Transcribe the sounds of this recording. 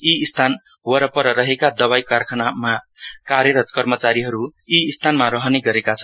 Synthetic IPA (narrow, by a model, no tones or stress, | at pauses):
iist̪ʰan | wʌɾʌpʌɾʌɾʌɦekad̪ʌβajkarkʰʌnama | karjʌɾʌt̪kʌrmʌt͡saɾiɦʌɾuiːst̪ʰanmaɾʌɦʌneɡʌɾekat͡sʰʌn